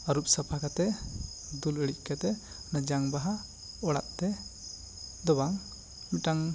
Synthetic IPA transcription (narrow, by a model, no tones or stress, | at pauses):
əɾup̚səpʰakat̪ɛ | d̪uləɽic̚ˀkat̪ɛ | nəd͡ʒaŋbaɦa | ɔɽa̰ʔ̪̚t̪ɛ | d̪ɔbaŋ | miʈaŋ